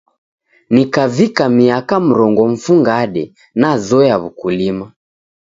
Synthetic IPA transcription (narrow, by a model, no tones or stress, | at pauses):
nikavikamiakam̩ɾɔŋɡɔm̩fuŋɡaɗɛ | nazɔjaβukulima